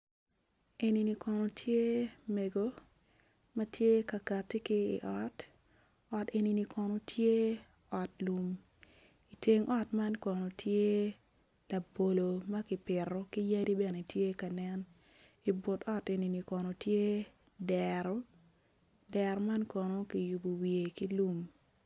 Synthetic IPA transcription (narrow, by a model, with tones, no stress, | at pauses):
e˨ni˨ni˨kɔ˨no˨tʰje˦me˨ɡo˦ | mɐ˦tje˦ka˨ka˨ti˦kɪ̰ː˦˨ʔɔ˦t | ɔ˨te˨ni˨ni˨kɔ˨no˨tʰje˦ | ɔ˨tlu˨m | i˨te˦ŋʔɔ˦tma˦nkɔ˨no˨tʰje˦ | la˨bo˨lo˨mɐ˦kɪ˨pɪ˨ɾɔ˦ki˦ja˦ɾi˦bɛ˨ne˨tje˦ka˨nɛ˦n | i˨bʊ˨tɔ˦te˨ni˨ni˨kɔ˨no˨tje˦ | dɛɾɔ˦ | dɛ˨ɾɔ˨˦ma˦nkɔ˨no˦ki˨ju˨bu˨wie˨ki˦lu˦m